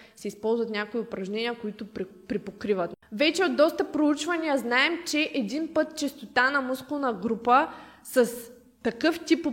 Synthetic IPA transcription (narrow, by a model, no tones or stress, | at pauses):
sɛispɔlˠzvɐt̪nʲakoiʊpɾɐʒnɛnʲiəkoit̪ʊpɾipokɾivət̪vɛt͡ʃɛod̪ːɔst̪əpɾout͡ʃvɐnijɐznaɛmt͡ʃɛʔɛd̪inpɤt̪̚t͡ʃɛst̪ot̪anɐmuskʊlˠnɐɡɾupəsɐs | t̪ɐkɤft̪ip